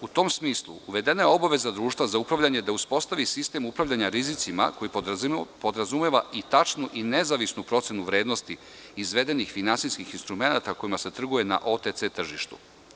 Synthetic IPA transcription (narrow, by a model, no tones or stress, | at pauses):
ut̪o̞ːmsmiːslˠṵuʋe̞d̪e̞najeo̞baʋe̞zad̪ɾuːʃt̪ʋazaupɾaʋʎʲaɲe̞d̪auspo̞st̪aʋisist̪e̞mupɾaʋʎaɲaɾizit̪sima̰ko̞jipo̞d̪ɾazumeʋait̪at͡ʃnuʔine̞zaʋisnupɾo̞t̪senuʋɾe̞ːd̪nost̪i | izʋe̞d̪e̞nixfinansiskixinst̪ɾume̞nat̪ako̞imase̞t̪r̩ɡuje̞na̰ʔo̞t̪et̪set̪r̩ʒiʃt̪ṵ